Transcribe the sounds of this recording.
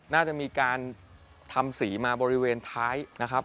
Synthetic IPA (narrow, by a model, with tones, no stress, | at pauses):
naː˥˩t͡ɕa˨˩ʔmiː˧kaː˧n | t̪ʰa˧msiː˩˦maː˧bɔː˧ɾi˦˥weː˧nt̪ʰaː˦˥jna˦˥kʰɾa˦˥p̚